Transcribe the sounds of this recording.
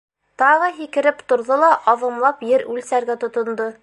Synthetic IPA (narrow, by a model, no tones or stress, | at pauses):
t̪ɑʁɤɦikɘ̆ɾɘpt̪ŏɾðɤlˠɑʔɒðɤ̆mlˠɑpjɘɾʉlsæɾɡæt̪ŏt̪ŏnd̪ɤ